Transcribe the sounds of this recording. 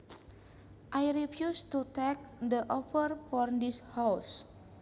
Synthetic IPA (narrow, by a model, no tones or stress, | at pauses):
ʔajɾifjustut̪ɛk̚dəʔɔfərfɔrdishaws